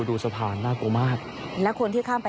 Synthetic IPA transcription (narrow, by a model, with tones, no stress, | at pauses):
duː˧sa˧pʰaː˨˩˦nːaː˥˩ku˧maː˥˩k̚ | lɛ˦˥kʰo˧nt̪ʰiː˥˩kʰaː˥˩mpa˧